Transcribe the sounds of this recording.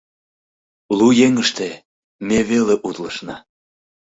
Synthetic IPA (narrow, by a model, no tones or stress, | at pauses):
lujeŋəʃt̪e | meβeleʔut̪ləʃnɑ